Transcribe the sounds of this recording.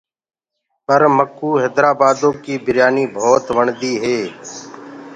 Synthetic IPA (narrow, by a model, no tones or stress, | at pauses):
pəɾməkuːɦeːd̪ɾaːbaːd̪õːkiːbʱɪɾjaːniːbʱoːt̪ʋəɳd̪iːɦeː